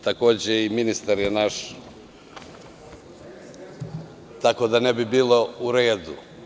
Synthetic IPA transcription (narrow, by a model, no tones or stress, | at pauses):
t̪akoːd͡ʑeiminist̪aɾjenaʃ | t̪ako̞d̪anebibiːlˠo̞uɾeːd̪ṵ